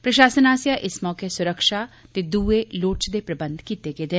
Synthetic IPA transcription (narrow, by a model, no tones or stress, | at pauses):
pɾəʃaːsənaːsjaʔɪsmɔːkesʊɾəkʃat̪eːd̪uːeloːʈt͡ʃd̪eːpɾəbə̃nd̪kiːt̪eːɡeːd̪ɪn